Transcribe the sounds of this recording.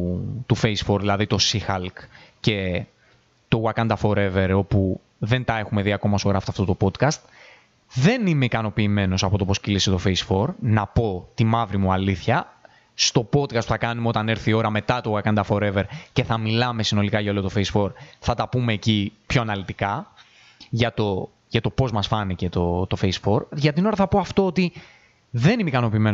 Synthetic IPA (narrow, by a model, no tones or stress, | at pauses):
t̪ufejsfo̞ɾðilɐðit̪o̞sixɐlkce̞ | t̪o̞ɣwɐkɐnd̪ɐfo̞ɾe̞ve̞ɾo̞pu | ðe̞nt̪ɐe̞xume̞ðiɐko̞mɐosoɣɾɐfit̪ɐft̪o̞t̪o̞po̞t̪kɐst̪ | ðe̞nime̞ikɐno̞piːme̞no̞sɐpo̞t̪o̞posciliset̪o̞fejsfo̞ɾnɐpo̞t̪imɐvɾimuɐliθçɐ | st̪o̞po̞t̪̚kɐst̪pu̥θɐkɐnumeo̞t̪ɐneɾθio̞ɾɐme̞t̪ɐt̪okɐkɐnt̪ɐfo̞ɾe̞ve̞ɾce̞θɐmilɐme̞sino̞likɐʝɐolot̪o̞feisfo̞ɾθɐt̪ɐpume̞ːcipço̞ɐnɐlit̪ikɐ | ʝɐt̪o̞ | ʝɐt̪o̞po̞zmɐsfɐnice̞t̪o̞t̪o̞fejsfo̞ɾʝɐt̪ino̞ɾɐθɐpo̞ɐft̪o̞ot̪i | ðe̞nimeikɐno̞piːme̞no